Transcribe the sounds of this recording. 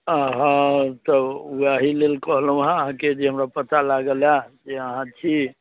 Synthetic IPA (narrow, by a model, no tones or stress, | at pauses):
əɦãt̪ɔuaɦilelkɔɦlɦũɦãəɦãked͡ʒeɦəmɾapət̪alaɡəlad͡ʒeəɦãt͡ʃʰi